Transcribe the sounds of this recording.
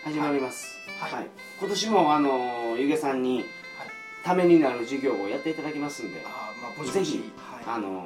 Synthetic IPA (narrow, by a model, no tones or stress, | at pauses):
haʑimaɾʲimasɨ̥ | haḭ | ko̞t̪o̞ɕimo̞ano̞jɯɡe̞sãɲ̟ːi | t̪ame̞ɲ̟inaɾɯ̟ʑɨɡʲo̞ːjat̪ːe̞it̪ad̪akʲemasɨ̃nd̪e̞̰ze̞çḭ | ano̞̰